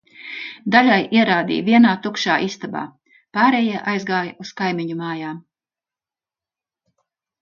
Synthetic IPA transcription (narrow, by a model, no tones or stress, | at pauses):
d̪aʎʲajʔiɛɾaːd̪ḭːviɛnaːt̪ukʃaːʔist̪aba̰ː | paːɾeːjiɛʔajzɡaːjuskajmiɲumaːjaːm